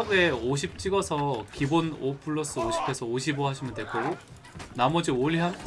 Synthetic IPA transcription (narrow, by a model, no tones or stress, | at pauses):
bue̞oɕʰip̚t͡ɕ͈iɡʌsʰʌkibonopʰɯɭːos͈ɯoɕʰi̥pʰe̞sʰʌoɕʰiboɦaɕʰimjɯntwe̞k͈ʰoɡo | namʌd͡ʑioɭɦjan